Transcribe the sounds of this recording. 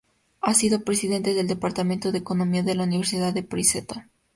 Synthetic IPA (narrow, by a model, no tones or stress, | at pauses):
asiðo̞pɾesiðe̞nt̪eðeld̪epaɾt̪amẽnt̪oðeːko̞no̞miaðe̞launiβ̞e̞ɾsiðaðepɾiset̪a